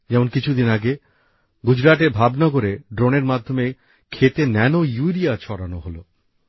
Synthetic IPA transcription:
d͡ʑɛmonkit͡ɕʰud̪inaɡe | ɡud͡ʑɾaʈebʱabnɔɡoɾeɖɾoneɾmad̪ʱːome | kʰet̪enɛnojuɾiat͡ɕʰɔɾanoɦolo

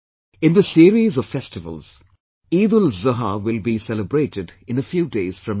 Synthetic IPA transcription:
ɪ̃nd̪əsiəɾizɔv̥fɛstɪvə̰lˠz̥ | iːd̪əlzəɦawɪlˠbisɛləbɹeːʈɪdɪ̃nəfjuːdeɪz̥fɹʌ̃m

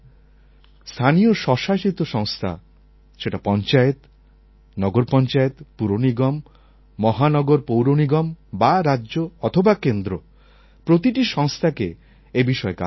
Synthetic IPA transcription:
st̪ʰanijoʃɔʃaʃit̪oʃɔŋst̪ʰa̰ | ʃeʈapɔnt͡ɕaet̪ | nɔɡoɾpɔnt͡ɕaet̪puɾoniɡɔmː | ɔɦanɔɡoɾpowɾoniɡɔmbaɾadʑoɔt̪ʰobakend̪ɾo | pɾot̪iʈiʃɔŋst̪ʰake | ebiʃɔeka̰

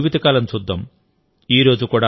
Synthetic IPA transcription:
ʋid̪ʱɐkaːlɐmsud̪ʱːɐm | iːɾo̞ːd͡ʒukuːɽa

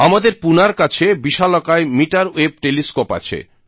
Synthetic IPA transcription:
amad̪eɾpunaɾkat͡ɕʰebiʃalɔkaemiʈaɾeb̚ʈeliskopa̰t͡ɕʰḛ

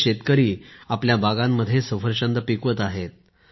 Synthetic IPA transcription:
ɕet̪kəɾiːapljabʱaɡamːəd̪ʱːjesəfəɾt͡ɕənd̪əpikʋət̪aɦet̪̚

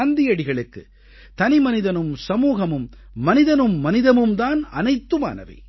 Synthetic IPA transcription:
nd̪ɪjɐɽɪɣɐɭɯkːɯ̰ | t̪ɐnɪmɐnɪðɐnɯmsɐmuːɣɐmɯmː | ɐnɪðɐnɯmːɐnɪðɐmɯmd̪aːnɐ̰nɐɪt̪ːɯma̰ːnɐ̰ʋɐ̰ɪ

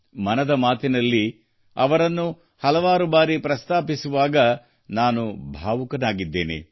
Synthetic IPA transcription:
mɐnɐd̪ɐmaːt̪inɐlːi | ɐʋɐɾɐnːu | hɐlɐʋaːɾubaːɾipɾɐst̪aːpisuʋaːɡɐ | naːnubʱaːʋukɐnaːɡid̪ːe̞ːnḛ

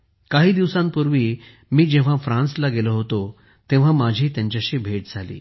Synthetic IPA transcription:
kaɦiːd̪iʋsãmpuɾʋiː | miːd͡ʑeʋ̤afɾãnslaɡeləɦot̪o | t̪ẽʋ̤amad͡ʑʱiːt̪jãɲt͡ɕaɕibʱeʈ̚d͡zʱalḭː

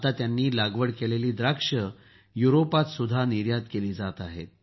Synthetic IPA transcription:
at̪at̪janːiːlaɡʋəɽkeleliːd̪ɾakʂə | juɾopat̪sud̪ʱaniɾjat̪keliːd͡zat̪aɦḛt̪̚

